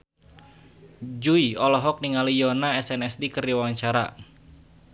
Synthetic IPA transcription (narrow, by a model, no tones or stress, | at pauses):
d͡ʒuiɔlɔɦɔk̚niŋalijɔnaɛsɛnɛsdikɨriwawaɲt͡ʃaɾa̰